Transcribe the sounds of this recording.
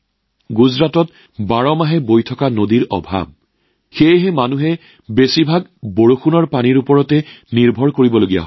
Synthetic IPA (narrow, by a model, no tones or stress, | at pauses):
ɡuzɹatɔt | baɹɔmaɦɛbojtʰɔkanodiɹɔ̰bʱa̰b̚ | xejɦɛmanuɦɛ | besibʱaɡboɹoxunɔɹpaniɹupɔɹɔtɛniɹbʱɔɹkoɹibɔloɡija̰ɦɔ